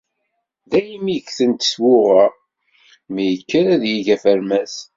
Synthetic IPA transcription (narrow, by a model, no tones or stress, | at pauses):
ðæjəmiçθənt̪ə̥swʊʁæ | mijəkːəɾæðjiʝæfəɾmæs